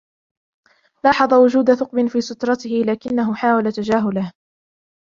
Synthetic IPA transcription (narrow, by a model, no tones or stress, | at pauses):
lɑːħɑðˤɑwʊd͡ʒuːd̪aθʊqbɪnfiːsʊt̪ɾˤɑt̪ɪhɪlaːkɪnːaɦʊħaːwalat̪ad͡ʒaːɦʊlah